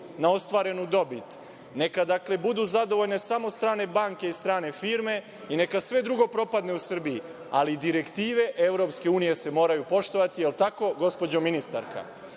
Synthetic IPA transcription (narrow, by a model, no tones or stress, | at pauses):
nao̞st̪ʋaːɾe̞nud̪o̞bit̪ | ne̞kad̪akle̞bud̪uzad̪o̞ʋoʎne̞samo̞st̪ɾaːne̞baŋke̞ist̪ɾaːne̞fiːɾme̞ | ine̞kasʋe̞d̪ɾuɡo̞pɾo̞pad̪ne̞usr̩biː | alid̪iɾe̞kt̪iːʋe̞ʔevɾo̞pske̞uːnije̞se̞mo̞ːɾajupo̞ʃt̪o̞ʋat̪ijelˠt̪ako̞ɡo̞spo̞d͡ʑominist̪a̰ɾkʰa̰